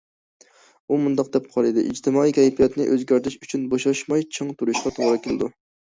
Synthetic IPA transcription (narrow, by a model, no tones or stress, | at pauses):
umund̪ɑq̚d̪ɛp̚qʰɑlˠɨd̪ɪ̰ʔḭd͡ʒt̪ʰɪmɑikʲʰɛjpijɑt̪nɪʔøzɡʲɑɾt̪ʰɪʃyt͡ʃʰynboʃɑʃmɑjt͡ʃʰɑŋt̪ʰuɾuʃqɑt̪ʰoʁɾɨkʲʰɪlˠɨd̪u